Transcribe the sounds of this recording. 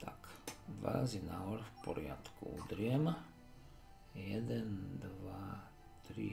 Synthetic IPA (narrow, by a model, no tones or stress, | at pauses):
t̪ʰakd̪ʋa̰ɾazinaɦɔɾfpɔɾɪa̰t̪kuṵd̪ɾɪɛm | jɛd̪ɛnd̪ʋa | t̪ɾḭ